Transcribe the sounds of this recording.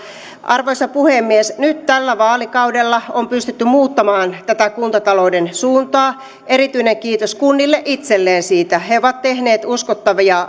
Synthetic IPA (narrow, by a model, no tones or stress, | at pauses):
ʔɑrʋojsɑpuhemːiesnyt̪t̪ælːæʋɑːlikɑwdelːɑompyst̪et̪ːymmuːt̪ːɑmɑːnt̪æt̪ækunt̪ɑt̪ɑlo̞wdensuːnt̪ɑː | eɾit̪yineŋkiːt̪oskunːilːeʔit̪selːeːnsiːt̪æheoʋɑt̪t̪ehneːt̪uskot̪ːɑʋiɑ